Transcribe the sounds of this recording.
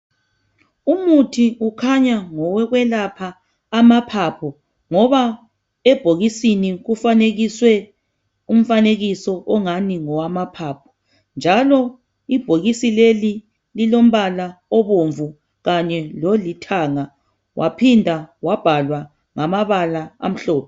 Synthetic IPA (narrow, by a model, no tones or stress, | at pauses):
umutʰiukʰaɲaŋɔwɛɣwɛlapʰaː | mapʰapʰɔ | ŋɔβa | ɛb̥ʱoɣisiniɣufaneɣiswɛ | um̩faneɣisɔʔɔŋaniŋɔwamapʰapʰɔ̥ | nd͡ʒʱalɔ | ib̥ʱoɣisileli | lilom̩βalaɔβoɱvu | ɣaɲɛlolitʰaŋa | wʔapʰindʱawab̥ʱalwa | ŋamaβalaa̰m̩ɬɔːpʰɔ